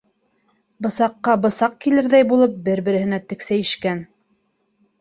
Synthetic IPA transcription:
bɤ̆sɑqːɑbɤ̆sɑq̚kilɘɾðæjbulˠɤp̚bɘɾbɘ̆ɾɘ̆hɘ̆næt̪ɘ̆ksæjɘ̆ʃkæn

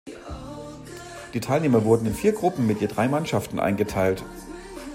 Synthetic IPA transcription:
d̥iːtʰaɪlneːmɐvʊɐdn̩ɪnfiːɐɡʁʊpm̩mɪtjeːdʁaɪmanʃaftn̩ʔa̰ɪnɡətʰaɪlt

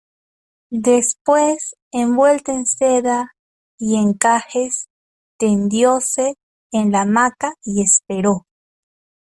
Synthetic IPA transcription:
d̪espwes | embwe̞lt̪aenseða | ieŋkaxes | t̪end̪joseː | nlamakaiespeɾo

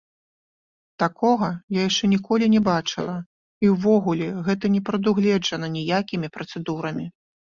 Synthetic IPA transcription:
t̪akɔɣɐjajaʂt͡ʂɛnʲikɔlʲinʲɛbat͡ʂɨlˠɐ | iwvɔɣulʲɛɣɛt̪ɐnʲɛpɾɐd̪uɣlʲɛd͡ʐɐnɐnʲijakʲimʲipɾɐt̪sɛd̪uɾɐmʲi

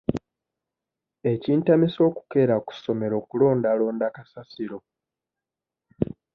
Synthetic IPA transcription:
e̞ciːntamiso̞ːku̥ke̞ɾaku̥so̞me̞ɾo̞ːkulo̞ːndalo̞ːndakasasiɾo̞

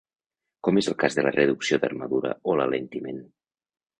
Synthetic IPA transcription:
kɔmezəlˠkazðələrəðuksioðə̰ɾmaðuɾə̰oləlent̪imen

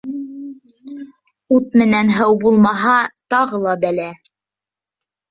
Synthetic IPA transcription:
ut̪̚mɘ̆nænɦɤwbulˠmɑɦɑt̪ɑʁɤlˠɑbælæ

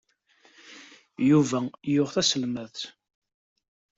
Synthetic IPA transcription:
juvæjʊʁθæsəlmæð

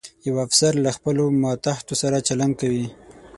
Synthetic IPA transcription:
jawafsaɾlaxpəlomɑt̪aht̪osaɾat͡ʃaland̪̚kawi

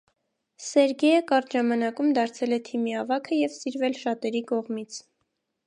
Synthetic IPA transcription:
sɛɾɡɛjəkɑɾt̪ʒɑmɑnɑkumd̪ɑɾt͡sʰɛlɛt̪ʰimiɑvɑkʰəjɛvsiɾvɛlʃɑt̪ɛɾikɔʁmit͡sʰ

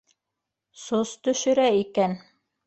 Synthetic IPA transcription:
sost̪ɵ̆ʃɵ̆ɾæikæn

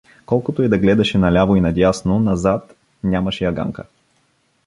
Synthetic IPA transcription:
kɔlˠkot̪oɛd̪ɐɡlɛd̪ɐʃɛnɐlʲavoinɐd̪ʲjasnonɐzat̪ | nʲamɐʃɛjɐɡa̰ŋkə̰

